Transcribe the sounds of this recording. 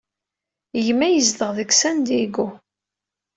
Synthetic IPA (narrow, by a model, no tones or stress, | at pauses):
jmːæjəzd̪əʁðəksænd̪iɡu